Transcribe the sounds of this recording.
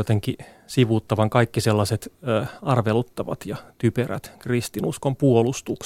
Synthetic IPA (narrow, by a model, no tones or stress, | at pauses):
ot̪eŋki | siʋuːt̪ːɑʋɑŋkɑikːiselːɑset̪ːɑrʋelut̪ːɑʋɑ̰t̪jɑt̪yperæ̰t̪krist̪inuskompuolust̪uk